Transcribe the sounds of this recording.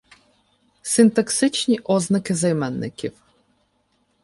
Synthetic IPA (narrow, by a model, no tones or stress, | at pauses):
sɪnt̪ɐksɪt͡ʃnʲiʔɔznɐkɪzɐjmɛnːɪ̰kʲiw